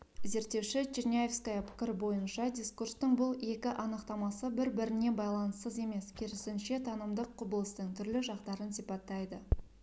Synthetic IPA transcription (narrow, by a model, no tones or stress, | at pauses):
ze̞ɾt̪ːe̞wʃɪt͡ʃʰinʲajefskajəpʰɪ̥kʲɪɾɪbo̞jənʃɑd̪ʲiskurst̪əɴbʊlˠe̞kʲɪʔɑnəqt̪ɑmɑsəbɪɾbɪɾɪne̞bɑjlˠɑnəsəze̞me̞skʲʰeɾɪsɪnʃe̞t̪ʰɑnəmd̪əqʰːʊbəlˠəst̪əɴt̪ʰʏɾlɪʒɑqt̪ɑɾənsijpɑt̪ːɑjd̪ə